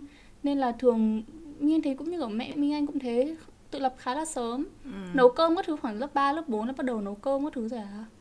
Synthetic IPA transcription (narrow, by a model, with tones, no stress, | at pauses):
ne˧nlaː˨˩t̪ʰɨ˨˩əŋmi˧ŋa˧ŋ̟t̪ʰe˨˦kʊ̰˧˥ŋ͡mɲɨ˧ʔəː˧˩mɛ̰˧˨˧mi˧ŋʔa˧jŋkʊ̰˧˥ŋ͡mt̪ʰe˨˦t̪ɨ̰˧˨lə˨˩p̚xaː˨˦laː˨˩səː˨˦mnə˨˦wkəː˧mkɔ˧˦˥t̪ʰɨ˨˦xwaː˧˩nlə˦˥p̚ɓaː˧lə˦˥p̚ɓo˨˦nlaː˨˩˦ɓt̚ɗə˨˩wnə˨˦wkəː˧mkɔ˨˦˥t̪ʰɨ˨˦zo˨˩jaː˨˩